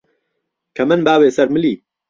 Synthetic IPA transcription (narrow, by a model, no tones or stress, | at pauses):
kʰɐmɨnbaːweːsɐɾmɨliː